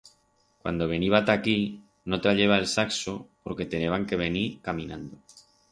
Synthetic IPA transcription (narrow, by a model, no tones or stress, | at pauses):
kwa̰nd̪o̞β̞e̞niβat̪aki | not̪ɾaʎe̞β̞aelsaksopo̞ɾke̞t̪eneβ̞aŋke̞β̞e̞niɾkamĩnãnd̪o